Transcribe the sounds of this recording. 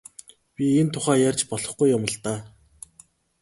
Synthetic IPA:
pʲient̪ʰʊχæːjarʲt͡ɕpɔɮɞ̆χɡujːʊmə̆ɮt̪aː

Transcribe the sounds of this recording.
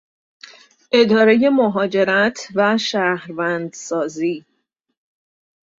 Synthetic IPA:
ʔe̞d̪ɒːɾe̞je̞moɦɒːd͡ʒe̞ɾæt̪ʰvæʃæhɾvænd̪sɒːziː

